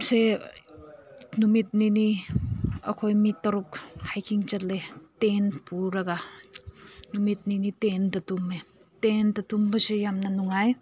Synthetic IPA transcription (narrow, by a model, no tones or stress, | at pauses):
se | numit̚nini | ɐ̰kʰojmitːɐɾuk̚hajkʰiŋt͡ʃɐt̚letenpuɾaɡa | numit̚ninitendɐtume | tendɐtumbɐsijamnɐnuŋaj